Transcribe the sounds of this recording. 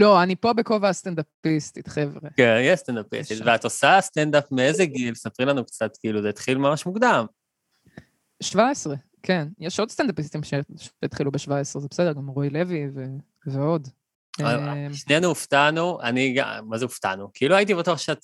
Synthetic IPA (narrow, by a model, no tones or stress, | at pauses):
lo̞anipo̞bekovast̪end̪apist̪it̪χevʁekenjist̪end̪apḭst̪itveat̪osast̪end̪apmeezeɡilsapʁimlanukt͡sat̪kiiluzet̪χilmamaʃmuɡd̪am | ʃvaesʁe̞ | kʰe̞njeʃo̞d̪st̪end̪apist̪imʃeʃet̪χilubeʃvaesʁezebesed̪eʁɡamʁojle̞vive | veo̞d̪ | mʃnenuuft̪anuʔaniɡa̰mazeuft̪a̰nukiiluait̪̬ibatuaχʃeat̪